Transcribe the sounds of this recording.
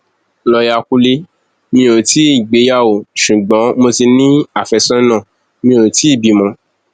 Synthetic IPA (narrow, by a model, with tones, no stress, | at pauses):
lɔ˧ja˧ku˦le˦ | mĩ˧o˨ti˨˦i˦˨ɡ͡be˨˦ja˦˨o˨ʃu˨ɡ͡bɔ̃˨˦mo˧ti˧nĩ˦a˦˨fɛ˧sɔ̃˦nã˦˨ | mĩ˧o˨ti˦i˦˨bi˨mɔ̃˧